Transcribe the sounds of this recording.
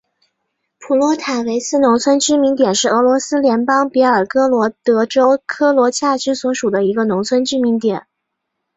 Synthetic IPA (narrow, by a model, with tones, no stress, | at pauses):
pʰu˨˩lwɔ˧˥t̪ʰa˨˩nwe˧˥ɪsʰɹ̩˥˩nʊ˧˥ŋt͡sʰwə˥nt͡ɕy˥mi˧˥ŋt̪jɛ˨˩nʂɻ̩˥˩ɤ˧˥lwɔ˧˥sɹ̩˥ljɛ˧˥npɑ˥ŋpjɛ˧˥ə˞˨˩kɤ˥lwɔ˧˥t̪ɤ˧˥ʈ͡ʂo˥ʊkʰɤ˥lwɔ˧˥t͡ɕʰja˥˩t͡ɕy˥swɔ˧˥ʂu˨˩d̪ə˦i˧˥ɡə˧nʊ˧˥ŋt͡sʰwə˥nt͡ɕy˥mi˧˥ŋt̪jɛ˨˩˦n